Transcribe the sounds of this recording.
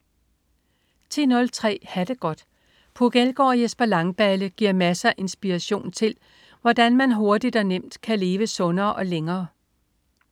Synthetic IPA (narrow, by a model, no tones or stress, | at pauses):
t͡sʰḭːnɔ̽lt͡sʰʁɛ̰ːhæd̥e̝ɡ̥ɒ̽d̥ | pʰoɡ̥elɡ̥ɒ̰ːjesb̥ɐlɑ̈ŋb̥æləɡ̥iɐ̰mæsæʔe̝nsb̥iʁæɕo̝̰ːnt͡sʰe̝l | ʋɒd̥ænmænɦo̝ɐd̥id̥ɒnem̰d̥kʰæle̝ːʋəsɔ̽nɐːʔɒ̽leŋɐː